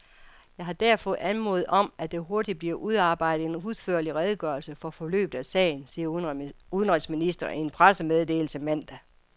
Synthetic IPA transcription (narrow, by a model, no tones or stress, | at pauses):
jɑ̈ɪɦɑ̈d̥æɐ̰fɒ̽ænmo̝̰ð̞̩ˠɒ̽mæd̥e̝ɦo̝ɐd̥id̚bliɐ̰ʔuð̞ˠɑ̈ːb̥ɑ̈ɪ̰d̥ð̩ˠe̝nuðˠføɐliʁɛð̞ˠəɡ̥ɶɐl̩səfɒ̽fɒ̽lø̰ːb̥ð̩ˠæsɛ̰ɪn̩siːɐuðˠənʁi̥sminisd̥ɐʔe̝npʰʁasəmeð̞ˠd̥e̝̰ːl̩səmæn̰d̥æ